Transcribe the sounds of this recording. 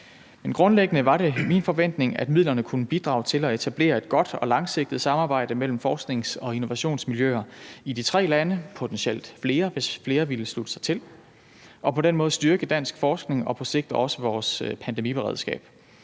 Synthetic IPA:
menɡ̥ʁɔ̽nleɡ̥ənəʋɑ̈ɾe̝minfɒ̽ʋen̰d̥ne̝ŋæd̥mið̰ˠlɐnəkʰunəb̥id̥ʁɑ̰̈ːʊt͡sʰe̝lɒ̽e̝t͡sʰæb̥le̝̰ːɐe̝d̥̚ɡ̥ɒ̽d̥ɒ̽lɑ̈ŋseɡ̥̚d̥ð̩ˠsɑ̈mɑ̈ːb̥ɑ̈ɪ̰d̥əmel̰m̩fɒːsɡ̥ne̝ŋsɒ̽ino̝ʋæɕo̝̰ːnsmiljøɐid̥it͡sʰʁɛ̰ːlænəpʰo̝t͡sʰenɕel̰d̥fle̝ːɐʋe̝sfle̝ːɐʋiləslud̥əsɑ̈ɪt͡sʰe̝l | ʔɒ̽pʰɒ̽denmɔ̽ːð̩ˠsd̥yɐɡ̥əd̥æn̰sɡ̥fɒːsɡ̥ne̝ŋɒ̽pʰɒ̽se̝ɡ̥̚d̥ɒ̽səʋɒːspʰænd̥emib̥eʁɛ̰ðˠsɡ̥ɛ̰ːb̥

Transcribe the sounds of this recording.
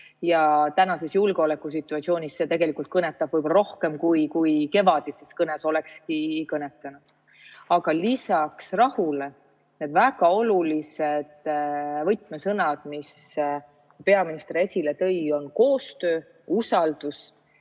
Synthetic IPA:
jɑt̪ænɑse̞sjulɡeole̞kːˑus̬it̪ːˑuɑt̪sio̞ːnʲisːe̞t̪e̞ɡ̥e̞likˑult̪kɤnet̪ːˑɑb̥vɤjb̥olɑɾo̞hke̞mkujkujke̞vɑd̪̥iseskɤneso̞le̞kskikɤnet̪ːˑɑnud̪̥ | ɑɡɑlisɑksrɑhule̞ | ne̞d̪væɡ̥ɑo̞lulised̪̥vɤjt̪ˑmesɤnɑd̪̥mis | pe̞ɑminist̪eɾe̞sʲile̞t̪ɤ̞jo̞nko̞ːst̪ø̞ː | usɑld̪̥us

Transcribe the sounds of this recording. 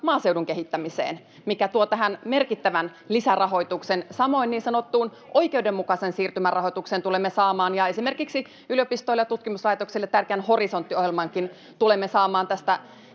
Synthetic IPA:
mɑːse̞uduŋkeɦit̪ːæmisḛːn | mikæt̪uot̪æɦænmerkit̪ːæʋæn | lisærɑɦo̞it̪uksensɑmo̞inːiːnsɑnot̪ːuːn | ʔo̞jkeudemːukɑsensiːrt̪ymærɑhojt̪uksent̪ulemːesɑːmɑːnjɑesimerkiksi | yljopist̪oiljɑt̪ut̪kimuslɑit̪oksilːet̪ːærkeænhorisont̪ːiohjelmɑŋkin | t̪ulemːesɑːmɑːnt̪æst̪æ

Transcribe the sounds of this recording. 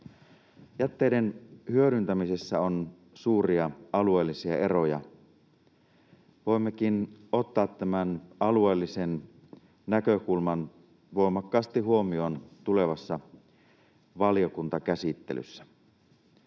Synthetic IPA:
jæt̪ːeːdenhyøɾynt̪æmisesːæon | suːriɑɑlue̞ːlːisiɑ̰erojɑ̰ | ʋoimːekino̞t̪ːɑːt̪tæmænɑlueːlːisen | nækøkulmɑn | ʋo̞ˑimɑkːɑːst̪iɦuo̞mioːnt̪ule̞ʋɑsːɑ | ʋɑljokunt̪ɑkæsit̪ːḛly̰sːæ̥

